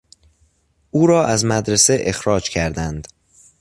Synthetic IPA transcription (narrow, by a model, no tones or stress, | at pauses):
ʔuːɾɒːʔæzmæd̪ɾese̞ʔexɾɒːd͡ʒcʰæɾd̪ænd̪̥